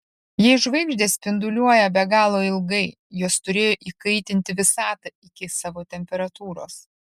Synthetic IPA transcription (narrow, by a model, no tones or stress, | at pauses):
jiɛɪʃʋɐɪɡʒʲd̪ʲeːsʲpʲɪnd̪ʊlʲuɔjɛbʲɛɡɑːlˠoːɪlˠɡɐɪ | joːst̪ʊɾʲeːjoːʔiːkɐɪt̪ʲɪnʲt̪ʲɪʋʲɪsɑːt̪ɐɪkʲɪsɑːʋoːt̪ʲɛmʲpʲɛɾɐt̪uːɾo̰ːs